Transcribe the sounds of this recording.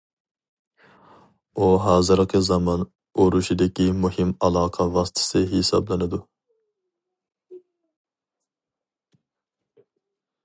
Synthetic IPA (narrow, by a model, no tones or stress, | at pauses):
uɦɑːzɨɾqʰəzɑmɑn | oɾuʃid̪ɪkʲimuhɪmɑlˠɑːqʰɑvɑst̪ʰɨ̥sɨɦesɑ̰blˠɨnɨd̪u